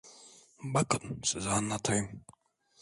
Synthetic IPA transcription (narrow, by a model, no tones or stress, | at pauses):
bakʼənsəzanːat̪ʰam